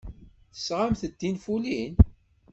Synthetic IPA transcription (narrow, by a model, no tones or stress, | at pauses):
θə̥sʁamθəd̪ːinfulin